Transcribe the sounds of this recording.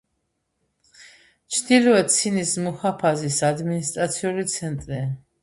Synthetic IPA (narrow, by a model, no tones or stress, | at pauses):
t͡ʃʰd̪ilɔvɛt̪sʰinismuχapʰazisad̪minist̪ʼɾat̪sʰiulit̪sʰɛnt̪ʼɾia